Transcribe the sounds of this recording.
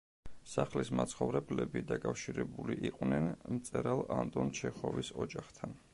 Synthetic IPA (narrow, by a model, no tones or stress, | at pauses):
saχlismat̪sʰχɔvɾɛblɛbid̪akʼafʃiɾɛbuliʔiqʼwnɛnmt̪sʼɛɾalˠant̪ʼɔnt͡ʃʰɛχɔvisɔd͡ʒaχt̪ʰan